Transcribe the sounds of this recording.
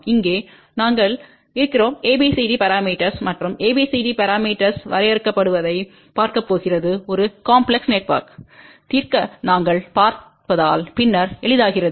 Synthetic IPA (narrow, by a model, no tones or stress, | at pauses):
ɪŋɡeː | naːŋɡɐɭ | ɪɾɯkːɪroːmeːbiːsiɖipɐɾaːmiːʈːɐɾsmɐʈrɯmeːbiːsiɖipɐɾaːmiːʈːɐɾsʋɐɾɐjɛɾɯkːɐpːɐɽɯʋɐðɐɪ | paːɾkɐpːoːɣɪrɐðɯɔɾɯkaːmpɭɛksneːʈ̚pa̰ːɾk | t̪iːɾkɐnaːŋɡɐɭpaːɾ | pɐðaːlpɪnːɐɾɛɭɯðaːɣɪrɐðɯ